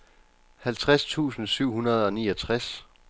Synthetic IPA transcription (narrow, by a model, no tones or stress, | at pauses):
hælt͡sʰʁast͡sʰṵːsn̩syʊ̰ɦunɐð̞ˠɒ̽nḭːɒ̽t͡sʰʁas